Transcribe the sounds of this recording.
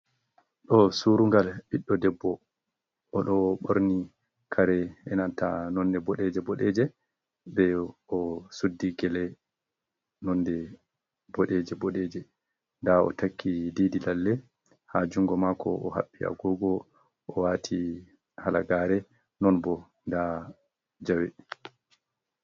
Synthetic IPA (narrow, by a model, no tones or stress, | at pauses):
ɗɔsuɾuŋɡalɓiɗːɔdɛbːɔ | ʔɔɗɔɓoɾni | kʰaɾɛɛnantanɔndɛbɔɗɛd͡ʒɛbɔɗɛd͡ʒɛ | bɛɔsudːiɡɛlɛ | nɔndɛ | b̥ɔɗɛd͡ʒɛbɔɗɛd͡ʒɛ | ndaɔ̰takʰːidiːdilalːɛ | had͡ʒuŋɡɔmakɔ̰ɔha̰ɓːia̰ɡɔɡɔ | ɔwaːtʰi | halaɡaːɾɛ | nɔnbɔ | nda | d͡ʒawɛ